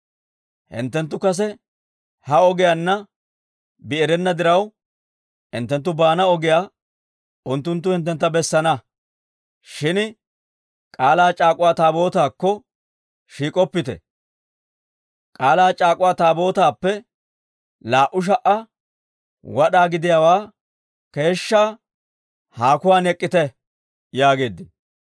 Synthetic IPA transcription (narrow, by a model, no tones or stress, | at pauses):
hɪ̰nt̪ːɛnt̪ːʊkɐs̬ɛ | hɐɔɡɪjaːnːɐ | bɪɛɾɛnːɐd̪ɪɾɐw | hɪ̰nt̪ːɛnt̪ːʊbaːnɐɔɡɪjaː | ʊnt̪ːʊnt̪̬ːʊhɪnt̪̬ːɛnt̪ːɐbɛsːɐnɐ | ʃɪn | kʼaːlaːt͡ʃʼaːkʼʊwaːt̪aːbo̞ːt̪aːkːɔ | ʃiːkʼɔpːɪt̪ɛ̰ | kʼaːlaːt͡ʃʼaːkʼʊwaːt̪aːbo̞ːt̪aːpːɛ | laːʔʊʃ̬ɐʔɐ | wɐɗaːɡɪd̪ɪjaːwaː | ke̞ːʃːaː | haːkʊwaːnɛkʼːɪt̪ɛ | jaːɡe̞ːd̪ːɪn